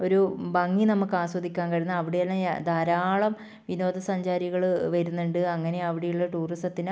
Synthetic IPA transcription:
oɾubɐŋːinɐmukːaːswɐd̪ʱikʲːaːnkɐɻinːɨɐʋiɽejɐlːɐd̪ʱaːɾaːɭɐm | ʋino̞ːd̪ʱɐsɐɲd͡ʑaːɾiɣɐɭʋɐɾunːuɳɖɨɐŋːɐne̞ɐʋiɽejuɭːɐʈuːrisʈɐt̪ːin

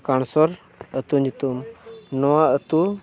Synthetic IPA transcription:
kaɳ̃sɔɾ | ət̪unit̪umnɔwaət̪u

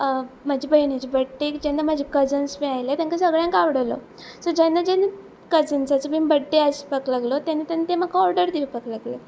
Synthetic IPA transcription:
mad͡ʑibəiɳet͡ɕibəʈːekid͡ʑɛ̃nd̪amad͡ʑikəd͡zənsmĩajlet̪jãŋkasəɡɭjãŋkaʋɽəlo̰ | sɔd͡ʑɛ̃nd̪ad͡ʑɛnə | kəd͡zənsat͡səbimbəʈːeaɕi̥pəklaɡlot̪janːit̪janːit̪emakʰaɔɾɖəɾd̪iʋipəklaɡle

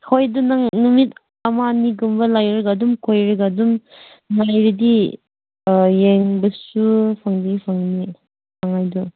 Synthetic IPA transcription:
hojdunaŋnumit | ɐmaniɡumbɐlajɾiɡadumkʰojɾiɡadum | najɾidi | jeŋbɐsupʰaŋdɐɡipʰaŋni | aŋajdu

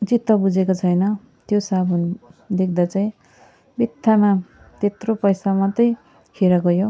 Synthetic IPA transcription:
d͡zit̪ːʌbud͡zekot͡sʰʌjnʌ | t̪josabʱʌnd̪ek̚ʰd̪at͡saj̃ | bit̪ʰːama | t̪et̪ropʌjsamʌt̪ʌj | kʰiɾʌɡʌjo

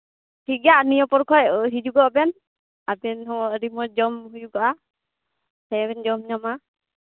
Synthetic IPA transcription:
tʰiɡaʔnijɔpɔɾkʰɔjɦid͡ʒuɡɔʔbɛn | abɛnhɔŋɔʔɾimɔd͡ʒɔmhud͡ʒuɡaʔa | sɛbɛnd͡ʒɔmɲama

